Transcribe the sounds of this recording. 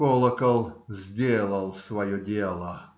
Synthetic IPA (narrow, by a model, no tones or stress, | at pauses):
olˠəkəlˠzʲdʲelˠəlˠsvɐjɔdʲelˠə